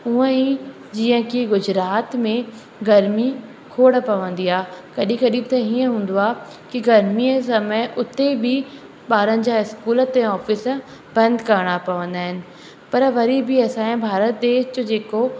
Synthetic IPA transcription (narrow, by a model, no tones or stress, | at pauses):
ʊə̃ĩ | d͡ʑiːə̃kiɡʊd͡ʑɾaːt̪mẽ | ɡɐɾmi | kʰoːɽpɐʋə̃nd̪iaːkɐɗĩkɐɗĩt̪ẽiːə̃ɦũːn̆d̪oaː | kiɡɐɾmies̬ɐməʔʊt̪ːebʱi | ɓaːɾə̃nd͡ʑaɪskuːlət̪ːẽɔːfɪs | b̥ɐ̃nd̪kɐɾɽ̃apɐʋə̃nd̪aːɦɪnɪ̆ | pɐɾʋɐɾibʱiɛːsaːẽbʱaːɾət̪̚d̪eːʃd͡ʑod͡ʑeːko